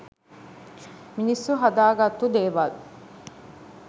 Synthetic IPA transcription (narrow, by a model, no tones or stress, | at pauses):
minisːuɦɐd̪aːɡɐt̪ud̪eːʋalu